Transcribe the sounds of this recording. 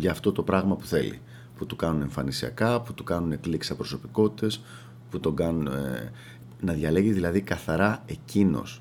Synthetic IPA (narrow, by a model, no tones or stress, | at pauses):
ʝɐːft̪o̞t̪o̞pɾɐɣmɐpu̥θe̞̰lḭ | put̪ukɐnune̞ɱfɐnisiɐ̰kɐput̪ukɐnune̞kliksɐpɾo̞so̞piko̞t̪i̥t̪e̞s | put̪o̞ŋɡɐnun | nɐðʝɐle̞ɣiðilɐðikɐθɐɾɐe̞cino̞̰s